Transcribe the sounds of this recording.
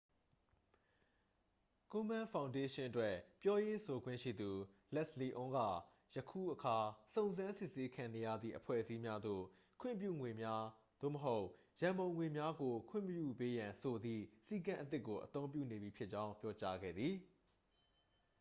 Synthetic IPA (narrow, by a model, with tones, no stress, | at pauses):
kʊ̃˦mã˦fʰã˨ʊ̃nde˦ʃɪ̃˦ʔətwɛ˦pjɔ˦je˦sʰo˨ɡwɪ̰̃˦˨ʃḭ˦˨d̪u˨lɛ˦ʔsli˨ʔʊ̃˦ŋɡa̰˦˨ | jəkʰṵ˦˨ʔəkʰa˨sõ˦˨ʊ̃nzã˦nsɪ˦ʔse˦kʰã˨ne˨ja̰˦˨d̪ðḭ˦˨ʔəpʰwɛ̰˦˨ʔəsi˦mja˦d̪o̰˦˨ | kʰwɪ̰̃˦˨mpjṵ˦˨ŋwe˨mja˦ | d̪̥o̰˦˨məɦo˦ʊʔ | jã˨mbõ˨ʊ̃ŋwe˨mja˦ɡo˨kʰw̥ɪ̰̃˦˨mpjṵ˦˨pe˦jã˨nsʰo˨d̪ðḭ˦˨si˦kã˦ʔət̪ɪ˦ʔkːo˨ʔət̪õ˦ʊ̃mpjṵ˦˨ne˨bi˨pʰjɪ˦ʔt͡ɕã˦ʊ̃mpjɔ˦t͡ɕa˦ɡɛ̰˦˨d̪ði˨